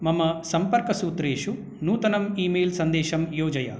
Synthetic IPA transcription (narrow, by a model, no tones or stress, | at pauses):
mɐmɐsɐmpɐɾkɐsuːt̪ɾeːʃu | nuːt̪ɐnɐmiːmeːlsɐnd̪eːʃɐmjoːd͡ʒɐjɐ̰